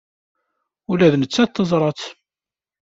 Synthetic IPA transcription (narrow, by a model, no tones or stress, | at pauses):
ulæðnət͡sːæt̪ːəzˤɾˤɑt͡s